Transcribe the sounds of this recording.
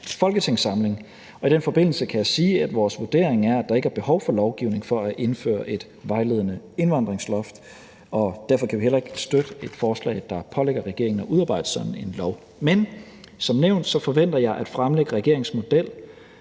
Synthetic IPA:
fɒ̽lɡ̥ət͡sʰe̝ŋsɑ̈mle̝ŋ | ɒ̽id̥enfɒ̽b̥e̝n̰l̩səkʰæjɑ̈ɪsiːæd̥ʋɒːsʋud̥e̝̰ɐ̰eŋæɐæd̥ɑ̈e̝ɡ̥əæɐb̥e̝hɒ̽ʊfɒ̽lɒʊɡ̥iʊne̝ŋfɒ̽æʔe̝nfø̰ːɐʔe̝d̥ | ʋɑ̈ɪle̝ð̞̰ˠənə | e̝nʋɑ̈n̰d̥ʁeŋslɒ̽fd̥ | ɒ̽d̥æɐfɒ̽kʰæʋihelɐe̝ɡ̥sd̥ød̥əe̝d̥fɒːslɛ̰ɪd̥ɑ̈pʰɒ̽leɡ̥ɐʁɛɡ̥e̝ɐeŋn̩ɒʔuðˠɑ̈ːb̥ɑ̈ɪ̰d̥əsɒ̽n̥n̩e̝nlɒʊ | men | sɒ̽mneʊ̰nd̥sɒ̽fɒ̽ʋen̰d̥ɐjɑ̈ɪʔæd̥fʁamleɡ̥əʁɛɡ̥e̝ɐ̰eŋsmo̝d̥el̰

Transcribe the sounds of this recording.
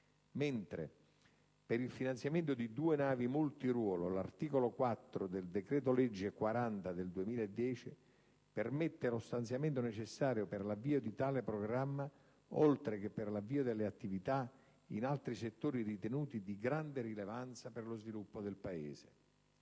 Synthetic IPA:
mɛnt̪ɾḛ | peɾilfinant̪sjament̪ʊd̪id̪uːenaːvimult̪irwɔːlolart̪iːkolokwat̪ːɾod̪eld̪ekɾɛːt̪̬olɛd͡ʒːɪkwaɾant̪ad̪eld̪uemiːlaed̪ːjɛːt͡ʃi | permet̪ːelost̪ant̪sjament̪onet͡ʃɪsːaːɾjopɪrlavːiːod̪it̪aːlepɾoɡɾamːa | olt̪ɾek̟epːɪrlavːiːod̪elːeat̪ːivit̪a | ḭnalt̪ɾiset̪ːoːɾirit̪enuːt̪id̪iɡɾand̪erilevant̪saperlozvilupːod̪elpaeːze

